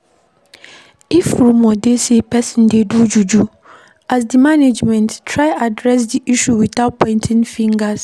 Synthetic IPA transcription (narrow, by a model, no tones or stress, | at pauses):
ifɾumɔdesepʰɛsɪ̃ndedud͡ʒud͡ʒu | as̬dimaned͡ʒmɛ̃nttʰːɹaɪadɾɛs̬diʔiʃuwitat̚pʰɔ̃ɪ̃ntʰɪ̃nfĩŋɡas